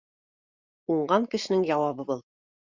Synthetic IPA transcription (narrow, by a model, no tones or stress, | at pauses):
uɴɢɑŋkɘ̆ʃɘ̆nɘŋjɑwɑβɤbɤlˠ